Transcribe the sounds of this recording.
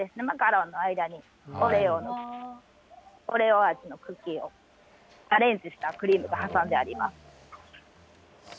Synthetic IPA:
d̪e̞sɨne̞maɡaɾõnːoaid̪aɲ̟i | oɾeono | oɾe̞oat͡ɕino̞kɯ̟kʲio̞̰̥ | aɾẽ̞nt͡sɨɕi̥t̪akɯ̟ɾʲiːmɯ̟ɡahasãnd̪e̞aɾʲḭmasɨ̥

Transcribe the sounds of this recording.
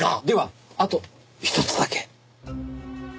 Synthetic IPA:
ad̪e̞βaat̪o̞ | çi̥t̪ot͡sɨd̪ake̥

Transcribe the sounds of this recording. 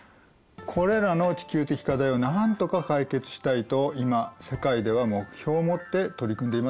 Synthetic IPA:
kʰo̞ɾe̞ɾano̞t͡ɕi̥kʲɨːt̪e̞kʲi̥kat̪aionant̪o̞kakaike̞t͡sɨ̥ɕi̥t̪ait̪o̞imase̞kaid̪e̞βamo̞kɯ̟̥çʲo̞ːmo̞t̪ːe̞t̪o̞ɾʲikɯ̃nd̪e̞ima

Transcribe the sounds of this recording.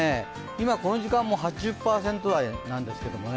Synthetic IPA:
e | imako̞no̞ʑikãmːo̞ɦat͡ɕiʑɨpːaːsẽnt̪o̞ɾainãnd̪e̞sɨ̥ke̞d̪o̞mo̞ne

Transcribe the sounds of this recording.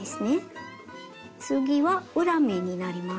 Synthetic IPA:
isni | suɡiwauɾameninaɾima

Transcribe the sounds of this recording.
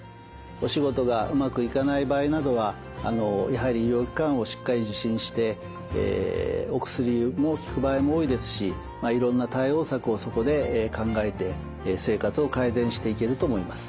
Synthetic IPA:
o̞ɕiɡo̞t̪o̞ɡaɯ̟makɯ̟ikanaibaːinad̪o̞βaː | no̞jaɦaɾʲijo̞ːkʲi̥kãɰ̃o̞ɕi̥kːaɾʲiʑɨɕĩɰ̃ɕi̥t̪e̞ | ḛo̞kɯ̟̥sɨɾʲimo̞kʲi̥kɯ̟baːimo̞oːid̪e̞sɨ̥ɕi | maiɾõ̞nːat̪aio̞ːsakɯ̟o̞so̞ko̞d̪e̞kãŋɡae̞t̪e̞ | se̞ːkat͡sɨo̞kaizẽ̞ɰ̃ɕi̥t̪e̞ike̞ɾɯ̟t̪o̞mo̞imasɨ̥

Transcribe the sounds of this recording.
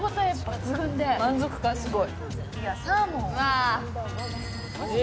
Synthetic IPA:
kot̪oapːat͡sɨɡɯ̟̃nd̪e̞mãnd͡zo̞kɯ̟̥ɡasɨɡo̞i | amõa

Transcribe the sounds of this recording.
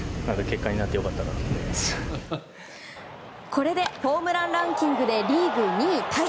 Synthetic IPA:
nãŋkake̞kːaɲ̟inat̪ːe̞jo̞kat̪ːakaɾamḁ | kʰo̞ɾe̞d̪e̞ɸo̞ːmɯ̟ɾãnɾãŋkʲĩŋɡɯ̟d̪e̞ɾʲiːɡɯ̟ɲ̟it̪ʰa

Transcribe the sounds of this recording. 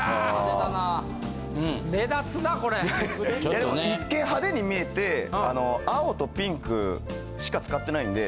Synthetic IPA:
aanã | med̪at͡sɨnako̞ɾejad̪emoikːẽ̞ɰ̃ɦad̪e̞ɲ̟imʲie̞t̪e̞a̰no̞aot̪o̞pʲĩŋkɯ̟̰ | ɕi̥kat͡sɨ̥kat̪ːe̞naĩnd̪e̞

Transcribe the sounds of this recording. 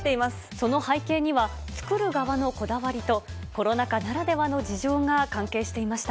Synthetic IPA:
t̪eimasɨ̥so̞no̞haike̞ːɲ̟iβa | t͡sɨ̥kɯ̟ɾɯ̟ɡaβano̞ko̞d̪aβaɾʲit̪o̞ | ko̞ɾo̞nakanaɾad̪e̞βano̞d͡ʑiʑo̞ːŋakãŋke̞ːɕi̥t̪e̞imaɕi̥t̪a

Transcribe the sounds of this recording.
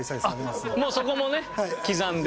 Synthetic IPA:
amoːsoko̞mone̞kʲizãnd̪

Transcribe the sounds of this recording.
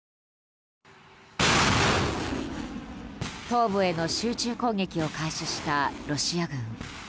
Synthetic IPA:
t̪o̞ːbɯ̟e̞no̞ɕɨːt͡ɕɨːkõ̞ŋɡe̞kʲio̞kaiɕiɕi̥t̪aɾo̞ɕiaɡɯ̟̃ŋ

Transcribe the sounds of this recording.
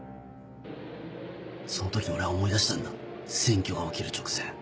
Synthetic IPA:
so̞not̪o̞kʲio̞ɾe̞βaomo̞id̪aɕi̥t̪ãnd̪asẽ̞ŋkʲo̞ɡaokʲiɾɯ̟t͡ɕo̥kɯ̥seː

